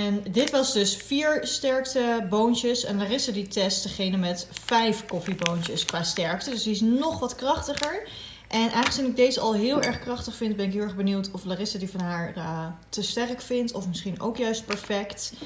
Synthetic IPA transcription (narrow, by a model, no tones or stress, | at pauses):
ɛndɪtʋɑsdɵsfiːɹstɛɹktəbowntəsɛ̰nlaːrɪsəditɛstəχejnəmɛtfɛjfkɔfibowntəskʋaːstɛɹktədɵsdiɪs̬nɔχʋɑtkrɑχtəχəɹ | ʔɛnʔɛjχəsinɪɡ̚dejzəʔɑ̰lˠɦɪːlˠɛɹχkrɑχtəχfɪnd̚bɛnɪkɦɪlˠɛχbəniwtɔflaːrɪsadivɑnɦaːɹtəstɛrəkfɪntɔfmɪsχino̰wkjœɥst̚pɛɹfɛkt